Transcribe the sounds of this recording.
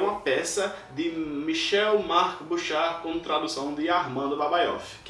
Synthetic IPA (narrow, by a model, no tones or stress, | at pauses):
ũɐpɛsɐd̪ɪmiʃɛwmaɾkbuʃaɾkõt̪ɾad̪usɐ̃w̃d̪ɪaɾmɐ̃d̪ʊbabajɔf | k